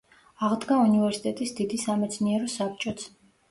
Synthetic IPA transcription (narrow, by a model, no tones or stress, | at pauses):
aʁd̪ɡaunivɛɾsit̪ʼɛt̪ʼisd̪id̪isamɛt̪sʰniɛɾɔsap̚ʰt͡ʃʼɔt̪sʰ